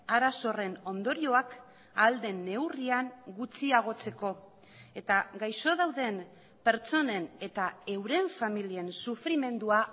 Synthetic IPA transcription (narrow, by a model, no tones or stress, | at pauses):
aɾaso̞re̞no̞nd̪o̞ɾio̞ak | ald̪e̞nːe̞wriaŋɡut͡siaɣ̞o̞t͡se̞ko̞ | e̞t̪aɡajʃo̞ð̞awðe̞m | pe̞ɾt͡so̞ne̞ne̞t̪ae̞wɾe̞ɱfamilie̞nsufɾime̞nd̪ua